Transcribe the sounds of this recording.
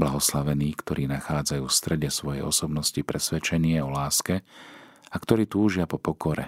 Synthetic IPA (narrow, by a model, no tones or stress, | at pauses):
blaɦɔslaʋɛniːkt̪ɔɾʔiːnaxaːd͡zajuːfst̪ɾɛɟɛsʋɔjɛ̰jɔsɔbnɔscipɾɛsʋɛt͡ʃɛɲɪɛɔlaːskɛ | akt̪ɔɾiːt̪uːʒɪapɔpɔkɔɾɛ̰